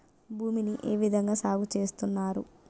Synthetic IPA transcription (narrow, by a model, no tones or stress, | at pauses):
bʱuːminiʔe̞ːʋid̪ʱɐŋɡaːsaːɡut͡ʃe̞ːst̪unːaːɾṵ